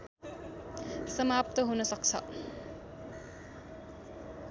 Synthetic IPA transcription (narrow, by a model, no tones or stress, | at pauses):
sʌmap̚t̪ʌɦunʌsʌk̚t͡sʰʌ̰